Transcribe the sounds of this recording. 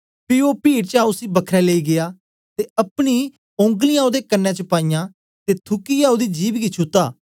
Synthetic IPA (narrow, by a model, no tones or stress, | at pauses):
pɪːoːpiːɽt͡ʃaːʊsiːbəkʰɾɛːleiːɡɪaː | t̪eːəpɽ̃iː | õŋɡlɪjãːod̪eːkənːɛ̃t͡ʃəpaːijãː | t̪eːt̪ʰʊkiːjãːod̪iːd͡ʒiːbɡit͡ʃʰʊt̪ːaː